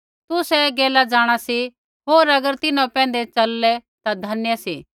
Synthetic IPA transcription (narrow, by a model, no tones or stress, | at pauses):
t̪usɛɡeːlad͡ʒaːɽ̃asi | ɦoːɾɐɡəɾt̪ɪnãpɛ̃ːn̆d̪et͡ʃɐlːɛt̪ad̪ʱɐnjəsi